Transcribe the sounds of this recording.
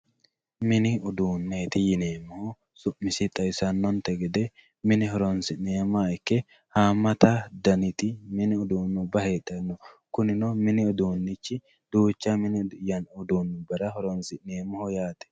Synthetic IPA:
mɪnɪʊd̪uːnːeːt̪ɪjɪneːmːʊhʊ | sʊʔmɪsɪt̪ʼɐjsɐnːɔnt̪ɛɡɛd̪ɛ | mɪnɪɦɔɾɔnsɪnːeːmːaɪkːɛ | haːmːɐt̪ɐd̪ɐnɪt̪ɪmɪnɪʊd̪uːnːʊbɐheːt̪ʼːɛnːɔkʊnɪnɔmɪnɪʊd̪uːnːɪt͡ʃːɪ | d̪uːt͡ʃːamɪnɪjɐnʊd̪uːnːɪbɐɾɐɦɔɾɔnsɪnːeːmːɔhɔjaːt̪ɛ̥

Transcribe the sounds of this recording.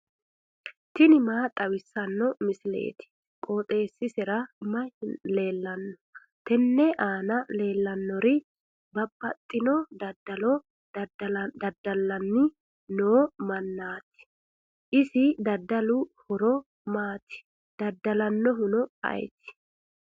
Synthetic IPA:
t̪ɪnɪmaːt̪ʼɐwɪsːɐnːɔmɪsɪlḛːt̪ɪ̥ | kʼoːt̪ʼe̞ːsːɪsɛɾɐmɐle̞ːlːɐnːɔ̥ | t̪ɛnːɛʔaːnɐle̞ːlːɐnːɔɾɪ | bɐbːɐt̪ʼːɪnɔdd̪ɐlɔ | d̪ɐd̪ːɐlːɐnːɪ | noːmɐnːaːt̪ɪ̥ | ʔɪsɪd̪ɐd̪ːɐlʊhɔɾɔ | maːt̪ɪ̥ | d̪̥ɐd̪ːɐlɐnːɔɦʊnɔɐ̰jt̪ɪ̥

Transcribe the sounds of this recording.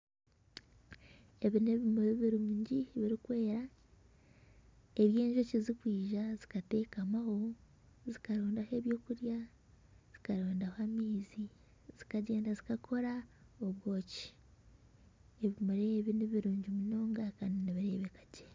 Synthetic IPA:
eβineβimuɾeβiɾuɲɟiβiɾikwe̞ːɾa | e̞βje̞ːɲʒocizikwiːʒazikate̞ːkamaho̞ | zikaɾoːndahe̞ːβjo̞ːkuɾja | z̥ikaɾoːndahamiːzi | z̥ikaɟe̞ːndazikakʰo̞ɾaoβwo̞ːci̥ | eβimuɾeβineβiɾuːɲɟumuno̞ːŋɡakaːndiniβiɾe̞ːβekḁɟe

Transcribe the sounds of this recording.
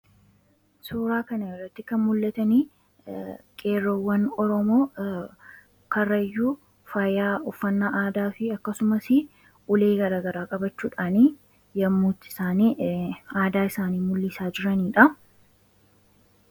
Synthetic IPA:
suːɾaːkɐnɐjɔrɐt̪ːɪkɐnmʊlːɐt̪ɐniː | kʼe̞ːrowːɐnɔɾɔmoː | kɐrːɐjːuː | fɐjaːɔfːɐnːaʔaːd̪aːfɪɐkːɐsʊmɐsɪ | ʔʊle̞ːɡɐɾaːɡɐɾaːkʼɐbɐt͡ʃːuːᶑaːniː | jɐmːuːt̪ːɪ̥saːniːaːd̪aːɪsaːniːmʊlːisaːd͡ʒɪɾɐniːᶑɐ

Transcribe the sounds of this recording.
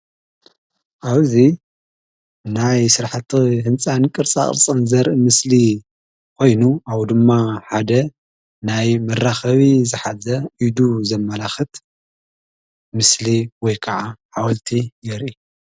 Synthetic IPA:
ʔaβzi | najsɨɾħat̪ʰːiɦɨnt͡sʼankʼɨɾt͡sʼa̰χʼɾt͡sʼɨnzɐɾɨmɨsli | kʰo̞jnuʔawd̪ɨmːaħad̪ɐ | najmɐrːaxɐβizɨħazɐʔid̪uzɐmːɐlaxɨt̪ | mɨsliwɔjkʰɐʕaħawɐlt̪ʰijɛɾʔi

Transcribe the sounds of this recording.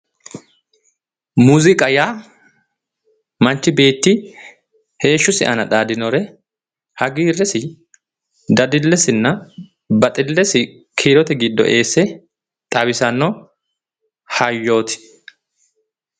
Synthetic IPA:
muːzɪkʼɐjaː | mɐnt͡ʃːɪbe̞ːt̪ːɪ | he̞ːʃːʊsɪ̰ʔɐ̰nɐᶑ̪aːd̪ɪnɔɾɛ | hɐɡiːrːɛsɪ | d̪ɐd̪ɪlːɛsɪnːɐ | bɐt̪ʼɪlːɛsɪ | kʰiːɾɔt̪ɛɡɪd̪ːɔ̰ʔe̞ːsːɛ | t̪ʼɐbɪsɐnːɔ | hɐjːo̞ːt̪ɪ̥

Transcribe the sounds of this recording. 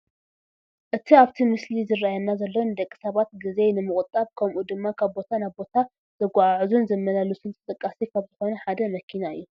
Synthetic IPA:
ʔɨt̪ʰiaβt̪ʰimɨslizɨrajanːazɐlːonɨd̪ɐkʼːi̥sɐβat̪̚ɡɨzejnɨmɨχʼʊt̪ʼaβkʰɐmʔud̪ɨmːakʰaβbo̞t̪ʰanaβbo̞t̪ʰa | z̥ɐɡʷaʕaʕzunzɐmːɐlalɨsunt̪ʼʰɨt̪ʼɨkʼːasikʰaβzɨxo̞nɐħad̪ɐmɐkʰinaɨ̰jːu

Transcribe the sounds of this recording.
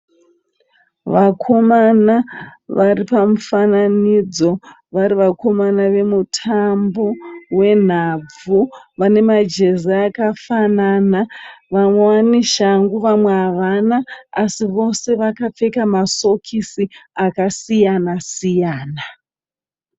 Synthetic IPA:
ʋakʰo̞manaʋaripamufananid͡zo̞ | ʋaɾiʋako̞manaʋe̞mutʰambo̞we̞n̤ab͡vuʋane̞mad͡ʒe̞zaːkafanaːnaʋamwewaneʃaŋɡuʋamwe̞aʋanaːsiʋo̞se̞ʋakap͡fe̞kamaso̞kʰisiakasijanasijaːna

